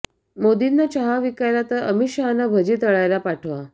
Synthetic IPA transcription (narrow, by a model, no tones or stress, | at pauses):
mod̪inːat͡ɕəɦaʋikajɾat̪əɾəmiɕaɦanabʱəd͡ʑiːt̪əɭajlapaʈʰʋa